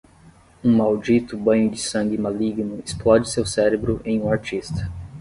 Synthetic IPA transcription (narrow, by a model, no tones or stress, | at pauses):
ũmawd͡ʒit̪ʊbɐ̃ɲʊd͡ʒɪsɐ̃ŋɡɪmaliɡnʊɪsplɔd͡ʒɪsewsɛɾebɾʊʔẽj̃ũaɾt͡ʃist̪ɐ̥